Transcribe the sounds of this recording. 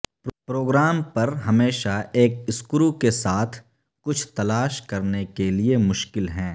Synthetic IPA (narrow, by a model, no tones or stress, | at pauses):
pɾoːɡɾaːmpɐɾɦɐmeːʃaeːk̚ɪskʊɾukesaːt̪ʰ | kʊt͡ʃʰt̪ɐlaːʃkɐɾnekeliemʊʃkɪlɦɛ̃ː